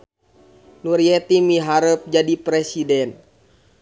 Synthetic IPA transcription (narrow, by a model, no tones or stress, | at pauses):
nuɾiɛt̪imiɦaɾəp̚d͡ʒadipɾɛsidɛn